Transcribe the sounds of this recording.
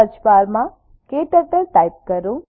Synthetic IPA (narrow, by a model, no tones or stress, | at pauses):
ət͡ʃbaɾmã | keʈəʈ̪əɾʈajp̚kəɾũ